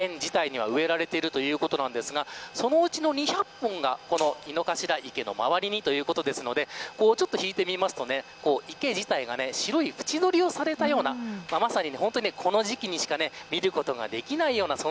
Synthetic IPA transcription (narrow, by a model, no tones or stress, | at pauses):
ẽɲd͡ʑit̪aiɲ̟iβa̰ɯ̟e̞ɾaɾe̞t̪e̞iɾɯ̟t̪o̞jɯ̟ːko̞t̪o̞nãnd̪e̞sɨɡaso̞no̞ɯ̟t͡ɕino̞ɲ̟içapːõŋɡako̞no̞ino̞kaɕiɾaʔike̞no̞̰ma̰βaɾʲiɲ̟it̪o̞jɯ̟ːkot̪o̞d̪e̞sɨno̞d̪e̞ko̞ːt͡ɕo̞t̪ːo̞çiːt̪e̞mʲimasɨ̥t̪one̞ko̞ːʔike̞ʑit̪aiɡa̰ne̞ɕiɾo̞iɸɯ̟̥t͡ɕid̪o̞ɾʲio̞saɾe̞t̪ajo̞ːnamamasaɲ̟ine̞ɦõ̞nt̪oɲinekʰo̞no̞ʑikʲiɲ̟iɕi̥kane̞mʲiɾɯ̟ko̞t̪o̞ɡa̰d̪e̞kʲinaijo̞ːnasoː